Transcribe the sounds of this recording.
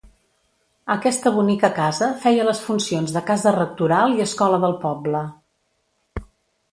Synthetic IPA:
əkɛst̪əβ̞unikəkazəfɛjələsfunsionzðəkazərək̚t̪uɾalˠiəskɔləðəlˠpɔblə

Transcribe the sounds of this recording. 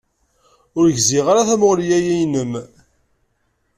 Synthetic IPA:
ʊɾʝziʁaɾaθæmʊʁlijæjæjnəm

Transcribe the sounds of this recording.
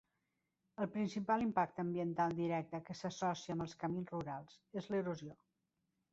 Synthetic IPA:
əlˠpɾinsipalˠimpak̚t̪əmbiənt̪alˠd̪iɾɛk̚t̪əkəsəsɔsiəmbəlˠskəminzruɾalˠzezləɾuzio

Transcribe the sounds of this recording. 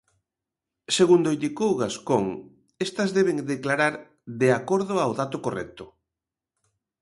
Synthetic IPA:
seɣund̪oind̪ikowɣaskoŋ | est̪ɐzðeβ̞eŋd̪eklaɾaɾ | d̪eakoɾðʊawðat̪okorɛ̰k̚t̪ʊ

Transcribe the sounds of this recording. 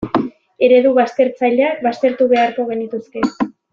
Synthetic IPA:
e̞ɾe̞ðuβast̪e̞ɾt͡saʎaβast̪e̞ɾt̪uβe̞aɾko̞ɣ̞e̞nit̪uske̞

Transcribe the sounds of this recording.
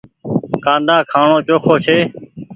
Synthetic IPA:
kãːnd̪ãːkʰaːɳõːt͡ʃoːkʰoːt͡ʃʰeː

